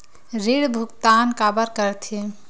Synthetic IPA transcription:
ɾiɽbʱukt̪ankabəɾkəɾt̪ʰi

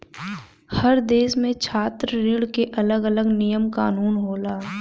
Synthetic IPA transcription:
həɾd̪eːʃmẽt͡ʃʰaːt̪ɾəɾɪɽkeʔɐləɡələɡnijəmkaːnuːnɦoːlaː

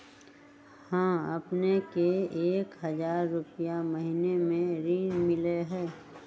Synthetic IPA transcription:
hãːɐpnekeːkɦɐzaːɾːʊpijaməɦinemẽɾiːnmɪleɦɛː

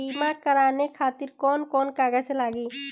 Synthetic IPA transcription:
imakəɾanekʰat̪iɾkɔnkɔnkaɡɛselaɡi

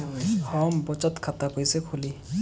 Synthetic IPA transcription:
hɔmbɔt͡ʃɔt̪kʰat̪apɔjsekʰoli

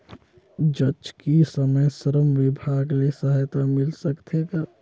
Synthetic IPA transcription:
d͡ʒət͡ʃkisəməjsəɾəmʋɪbʱaːɡlesəɦajt̪amɪlsəkt̪ʰeɡa

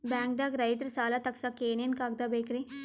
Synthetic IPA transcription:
bɛːŋk̚d̪aɡɾɐit̪ɾsaːlat̪ɐksakeːnijɐnkaːɡ̚d̪abeːkɾi

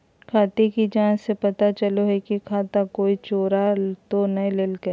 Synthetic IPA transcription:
kʰaːt̪ekid͡ʒãːnsepɐt̪at͡ʃɐloɦɛkikʰaːt̪akoːit͡ʃoːɾat̪onɐɦĩleːlke

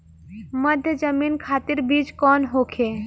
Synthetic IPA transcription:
məd̪ʱjəd͡ʒəmiːnkʰaːt̪iɾbiːt͡ʃkɔːnɦoːkʰe

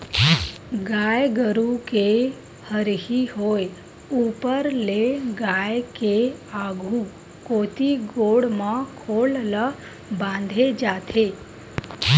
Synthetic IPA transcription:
ɡajɡəɾuke | həɾɦiɦoj | upəɾleɡajkeaɡʱũ | kot̪iɡoɽmãkʰollə | bãnd̪ʱed͡ʒat̪ʰe

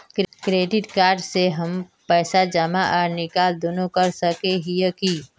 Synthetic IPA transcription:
kkɾeːɖɪʈkaːɾɖseɦɐmpɛːsad͡ʒəmaʔɔːɾnɪkaːld̪oːnokɐɾsəkeɦijəki

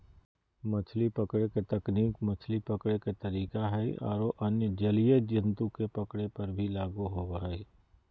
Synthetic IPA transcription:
mɐt͡ʃʰlipɐkɽeket̪ɐkniːkmɐt͡ʃʰlipɐkɽeket̪ɐɾiːkaɦɛiɔ̰ːɾoʔɐnjəd͡ʒɐlijəd͡ʒɪ̃nt̪ukepɐkɽepɐɾbʱilaːɡuɦoɡaɦɛe

